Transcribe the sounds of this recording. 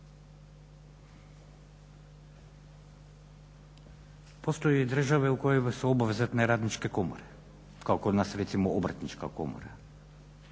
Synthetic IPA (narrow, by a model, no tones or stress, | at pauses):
post̪ojed̪r̩ʒaʋɛukojomasuobaʋezat̪nɛɾad̪nit͡ʃkɛkomo̰ɾɛ | kaokod̪nasɾɛt̪simoobɾat̪nit͡ʃka̰ko̰mo̰ɾa̰